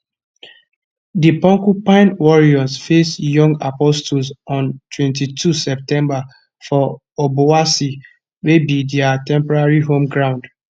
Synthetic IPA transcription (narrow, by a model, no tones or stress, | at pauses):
dipɔ̃ŋkupãɪ̃nwɔɹiɔsfesjɔ̃ŋɡa̰pɔstulsɔ̃ntʰwɛ̃ntitʰusɛp̚tɛ̃mba | fɔ | obowasi | webidɛatɛ̃mpɔɹaɹiɦõmɡɹãʊ̃nd